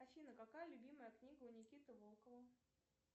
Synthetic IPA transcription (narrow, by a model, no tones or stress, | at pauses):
ɐfʲinəkakajəlʲʊbʲiməjəknʲiɡəʊnʲɪkʲit̪əvolˠkəvə